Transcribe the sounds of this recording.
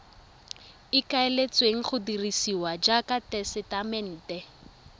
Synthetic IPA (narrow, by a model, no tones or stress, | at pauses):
ɪkʼaelet͡sʼweŋ̩χʊdirisiwad͡ʒakʼatʼɛsɪtʼamɛn̩ːtʼɛ